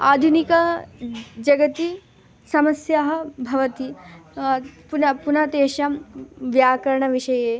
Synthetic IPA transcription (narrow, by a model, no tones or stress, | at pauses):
aːd̪ʱunikɐ | d͡ʒɐɡɐt̪i | sɐmɐsjaɦɐ̆bʱɐʋɐt̪i | punɐpunɐt̪eːʃɐmʋjaːkɐɾɐɳɐʋiʂɐjeː